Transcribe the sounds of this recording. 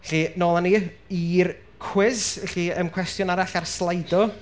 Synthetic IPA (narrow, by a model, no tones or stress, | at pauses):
ɬiːnoːlˠaniir | kʰw̥ɪzɬiəmkʰw̥ɛstjɔnaɾaɬarslˠajdɔ